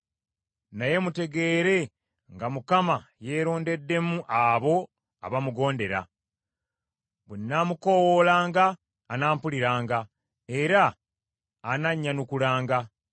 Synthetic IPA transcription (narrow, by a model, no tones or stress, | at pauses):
naje̞mute̞ɡe̞ɾe̞ | ŋɡamukamaje̞ːɾo̞ːnde̞dːe̞muʔaβo̞ | a̰βamuɡo̞ːnde̞ɾa̰ | βunːaːmuko̞wolaːŋɡaː | naːmpuliɾaːŋɡa | e̞ɾaː | naɲːanukulaːŋɡa